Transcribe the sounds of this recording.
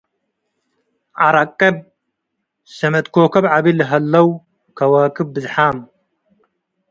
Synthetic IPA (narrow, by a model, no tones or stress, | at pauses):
ʔaɾakʼːɐb | sɐmɐt̪kʰokʰɐβʕaβilɨɦɐlːɐw | kʰɐwɐkʰɨbbɨzħam